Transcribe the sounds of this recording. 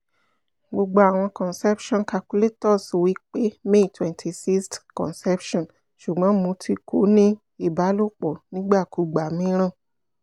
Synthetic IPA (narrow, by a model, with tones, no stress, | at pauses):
ɡ͡bo˧ɡ͡ba˧a˨w̃ɔ̃˧kɔ̃˨nsɛ˦pʃɔ̃˦˨n˨ka˧ku˦le˦tɔ˦˨so˨wi˨˦k͡pe˦me˦˨tʰwɛ̃˨ntʰi˨si˦stkɔ̰̃˨nsɛ˦pʃɔ̃˦˨n | ʃu˨ɡ͡bɔ̃˨˦mũ˧˦tʰi˦kʰo˨˦nĩ˦ | i˦˨ba˨˦lo˦˨k͡pɔ˨nĩ˦ɡ͡ba˦˨ku˧˦ɡ͡ba˨˦mĩ˦ɾ̃ã˦˨